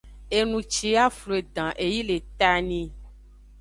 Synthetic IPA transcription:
e˨nũ˨t͡ʃe˨˦a˦flo˨e˨d̪ã˨ʔe˨ji˦le˨t̪a˦nĩ˦

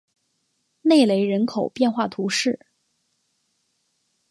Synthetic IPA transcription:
ne˥˩ɪle˧˥ɪɻə˧˥nkʰo˨˩ʊpjɛ˥˧nxwa˥˩t̪ʰu˧˥ʂɻ̩˥˩

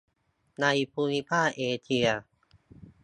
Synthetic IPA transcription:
na˧jpʰuː˧ni˧pʰaː˥˩ʔeː˧t͡ɕʰi˧ɐ

